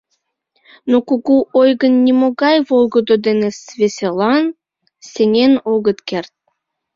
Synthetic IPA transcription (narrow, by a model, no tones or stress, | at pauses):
nokuɣuʔojɣənːʲimoɣɑjβolˠɡod̪od̪enesvesʲelɑn | sʲeŋʲenoɣət̪kert̪̚